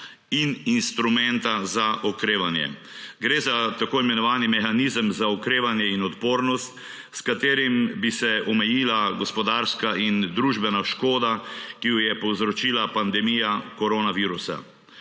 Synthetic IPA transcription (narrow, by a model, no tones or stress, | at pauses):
ininst̪ɾumɛnt̪azaʔɔkɾeːʋanjɛ̰ | ɡɾeːzat̪akoːimɛnɔʋaːnimɛxanizəmzaɔkɾeːʋanjɛinɔt̪poːɾnɔst̪ | skat̪eːɾimbisɛɔmɛjiːlaɡɔspɔd̪aɾskaʔind̪ɾuʒbɛnaʃkoːd̪akijɔjɛpɔwzɾɔt͡ʃiːlapand̪ɛmijakɔɾonaʋiːɾusa̰